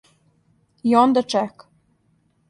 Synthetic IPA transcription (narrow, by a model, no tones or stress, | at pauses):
jond̪ɤ̆t͡ʃæk